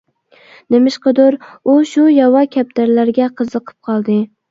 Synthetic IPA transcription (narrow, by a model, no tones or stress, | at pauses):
nemɪʃqɨd̪ʊɾuʃujɑwɑkʲʰæp̚d̪aɾlæɾɡʲɛqʰəzɨqʰɨ̥p̚qʰɑlˠd̪ɨ